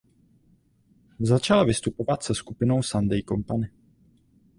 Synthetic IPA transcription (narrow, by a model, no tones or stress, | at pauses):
zat͡ʃalavɪst̪upo̞vat̪sɛskupɪno̞wsand̪ɛjkompanɪ